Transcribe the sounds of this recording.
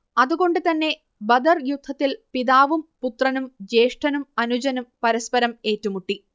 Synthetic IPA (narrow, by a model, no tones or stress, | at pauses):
ɐðuɣo̞ɳɖɨt̪ɐnːe̞ | bɐd̪ɐrjud̪ʱːɐt̪ːilpiðaːʋumput̪rɐnumd͡ʑe̞ːʂʈʰɐnumɐnud͡ʑɐnumpɐɾɐspɐɾɐme̞ːtːumuʈːi